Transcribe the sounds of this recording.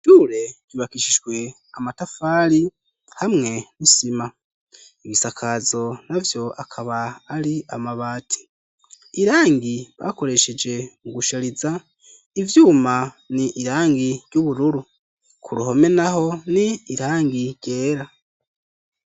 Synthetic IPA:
duɾe̞ɟ̥iβakiʃiʒɡwe̞ | amatafaːɾi | hamŋe̞nisima | iβisakʰazo̞navjo̞akʰaβaːɾiʔamaβaːtʰi̥ | iɾaːŋɡiβa̰ko̞ɾe̞ʃe̞d͡ʒe̞muɡuʃaɾiza | ivjuːma | niʔiɾaːŋɡiɾɟuβuɾuɾu | kʰuɾuho̞me̞naho̞niːɾaːŋɡiɾɟ̥e̞ːɾa

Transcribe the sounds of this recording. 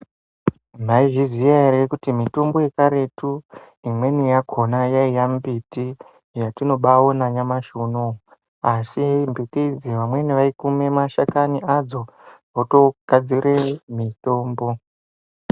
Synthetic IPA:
m̤aiʐizijaeɾekutimito̞mbo̞jekaɾe̞tu | imwe̞nijaɡʱo̞najaijambiti | jatino̞ɓaonaɲamaʃuno | asiimbikid͡ziʋamwe̞niʋaikume̞maʃakaniad͡zo̞ | oto̞ɡ̥ʱad͡ziɾemito̞ːmbo̞

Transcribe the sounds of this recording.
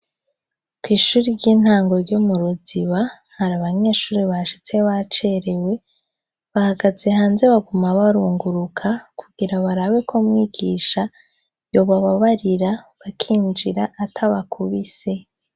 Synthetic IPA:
kwiːʃuːɾiɟiːn̥aːŋɡo̞ɾɟumuɾuziβa | haɾaβaɲe̞ːʃuːɾiβaʃi̥t͡se̞βat͡ʃe̞ɾe̞we̞ | βahaɡaze̞haːnze̞βaɡumaβaɾuːŋɡuɾukʰakʰuɡiɾaβaɾaβe̞kʰomŋiːɡiːʃa | joːβaβaβaɾiɾaβakʰiːnd͡ʒiɾaʔatʰaβakʰuβise̞

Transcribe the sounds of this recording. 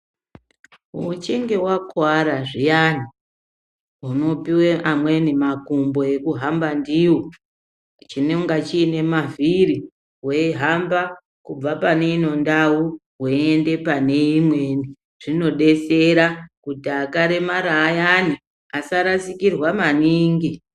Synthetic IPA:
uːt͡ʃe̞ŋɡe̞wakwaɾaʐijani | ɦuno̞piweʔamwe̞nimakumbo̞e̞kuɦambandiwo | t͡ʃineuŋɡat͡ʃiːne̞maviɾi | we̞ɦamba | kub͡vapane̞ino̞ndawu | ɦeende̞pane̞imwe̞ːni | ʐ̥ino̞ɗe̞se̞ɾakudaːkaɾe̞maɾaːjani | asaɾasikirwamaniːŋɡi

